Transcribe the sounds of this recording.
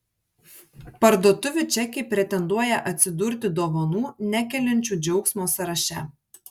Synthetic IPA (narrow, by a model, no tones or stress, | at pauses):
pɐɾd̪oɔt̪ʊʋʲʊt͡ʃʲɛkʲɪpʲɾʲɛt̪ʲɛnd̪uɔjɛʔɐt̪ʲsʲɪd̪ʊɾʲt̪ʲɪd̪oːʋɐnuːnʲækʲɛlʲɪnʲt͡ʃʲuːd͡ʒʲɛʊksmoːsɐɾɐʃʲɛ